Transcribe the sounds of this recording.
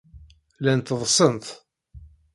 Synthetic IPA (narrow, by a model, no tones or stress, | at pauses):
lænt̪əðˤsˤənt̪